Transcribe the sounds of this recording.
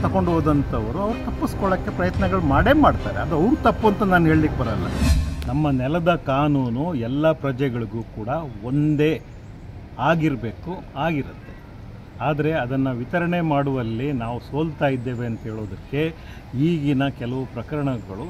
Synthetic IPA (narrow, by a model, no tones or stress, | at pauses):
t̪ɐko̞ɳɖɦoːd̪ɐnt̪ʰɐʋɐɾuɐʋɐɾut̪ɐpːiskɔɭɐkːe̞pɾɐjɐt̪nɐɡɐɭumaːɽe̞ːmaːɖt̪aːɾeɐd̪uɐʋɾut̪ɐpːuɐnt̪ɐnaːnuɦeːɭlikːebɐɾɐlːɐ̰nɐmːɐnɛlɐd̪ɐkaːnuːnuɛlːɐpɾɐd͡ʒɛɡɐɭuɡuːkuːɽɐond̪e | aːɡiɾbe̞ːkuaːɡiɾɐt̪ːe̞ | aːd̪ɐɾe̞ɐd̪ɐnːɐʋit̪ɐɾɐɳe̞maːɽuʋɐlːinaːʋuso̞ːlt̪aːjid̪ːe̞ːʋeɐnt̪ɐɦeːɭoːd̪ɐkːe̞ | iːɡinɐkɛlɐʋupɾɐkɐɾɐɳɐɡɐɭu